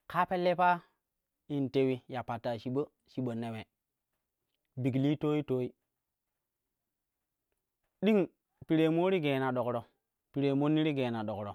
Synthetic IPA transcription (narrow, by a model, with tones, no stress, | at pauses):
ka˦pe˦lːe˦pa˦ | i˨nte˨wi˦ja˨pa˨tːa˨ʃi˨ɓo˦ | ʃi˨ɓo˨nːe˨we˨ | bi˨ɡli˦to˦i˦toː˦i˦ | ɗi˦ŋ | pi˨ɾe˨mo˦ɾi˦ɡeː˨na˨ɗo˨kɾo˨ | pi˨ɾe˨mo˦nːi˦ɾi˦ɡe˨na˨ɗo˨kɾo˨